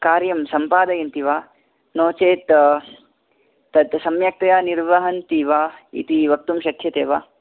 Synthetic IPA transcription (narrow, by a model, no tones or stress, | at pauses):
kaːɾjɐmsɐmpaːd̪ɐjɐnt̪iʋaː | noːt͡ʃeːt̪ | t̪ɐd̪sɐmjɐk̚t̪ɐjaːniɾʋɐɦɐnt̪iːʋaːḭt̪iʋɐk̚t̪umʃɐt̪ʰjɐt̪eːʋa̰ː